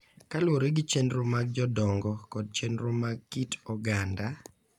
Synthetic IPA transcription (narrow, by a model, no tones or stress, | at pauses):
kalwoɾeɡɪt͡ʃenɾʊmaɡ̚d͡ʒɔdɔŋɡɔkɔd̚t͡ʃenɾʊmaɡkitɔɡanda